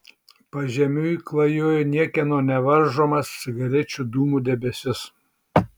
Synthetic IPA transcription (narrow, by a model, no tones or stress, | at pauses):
pɐʒʲɛmʲuːklˠɐjoːjnʲiɛkʲɛnoːnʲɛʋɐɾʒoːmɐsʲɪɡɐɾʲɛt͡ʃʲud̪uːmuːd̪ʲɛbʲɛsʲɪs